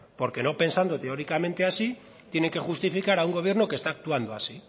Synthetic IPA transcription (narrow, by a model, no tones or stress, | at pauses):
po̞ɾke̞no̞pe̞nsand̪ot̪e̞o̞ɾikamẽ̞nt̪e̞asi | t̪je̞ne̞ŋke̞xust̪ifikaɾauŋɡo̞β̞je̞ɾnokest̪aːk̚t̪uand̪oasi